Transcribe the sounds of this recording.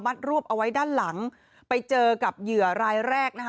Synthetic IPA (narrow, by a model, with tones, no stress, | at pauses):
ma˥˩t̪̚ɾu˥˩əpʔa˧wa˦˥jdaː˥˩nla˩˦ŋ | pa˧jt͡ɕɤː˧ka˨˩p̚jɯ˨˩əɾaː˧jɾɛː˥˩k̚na˦˥k